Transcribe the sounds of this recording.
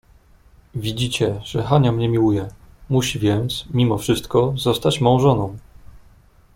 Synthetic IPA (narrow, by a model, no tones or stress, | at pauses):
vʲid͡ʑit͡ɕɛʐɛxaɲamɲɛmʲiwujɛ | muɕivʲjɛnt̪smʲimɔfʂɘst̪kɔzɔst̪at͡ɕmɔɔ̃w̃ʐɔnɔ̃w̃